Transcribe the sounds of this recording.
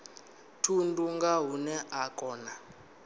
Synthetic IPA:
tʰunduŋɡaɦunɛʔakʰʼɔːna

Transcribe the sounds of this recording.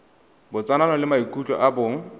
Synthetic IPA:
bʊt͡sʼananɔlɪmaikʼut͡ɬʼɔ̰ʔabʊŋ̩

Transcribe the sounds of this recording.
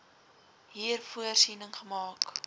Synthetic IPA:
ɦiːrfuərsiːnəŋχəmɑːk

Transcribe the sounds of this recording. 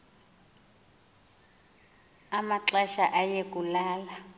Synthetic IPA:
amaǁaʃaʔajek̬ʼulaːla

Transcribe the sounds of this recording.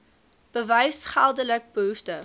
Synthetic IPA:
b̥əvəjsχælˠdələk̚bəɦuftə

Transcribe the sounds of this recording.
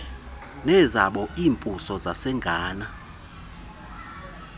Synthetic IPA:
nɛzaɓɔiːmpʼusɔzasɛŋɡʱaːna

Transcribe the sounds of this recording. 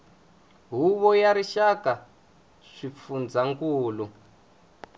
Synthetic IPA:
ɦuβɔjaɾiʃaka | ʂifund͡zaŋkuːlu

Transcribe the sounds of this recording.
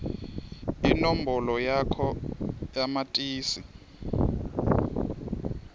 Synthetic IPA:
inombɔlɔjakʰɔjamatʼiːsi

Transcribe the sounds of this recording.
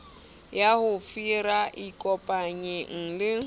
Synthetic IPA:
jahʊfiɾaʔikʼɔpʼaɲɪŋ̩lɪ

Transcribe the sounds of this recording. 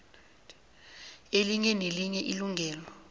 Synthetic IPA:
eliɲɛneliɲɛʔiluŋʱɛːlɔ

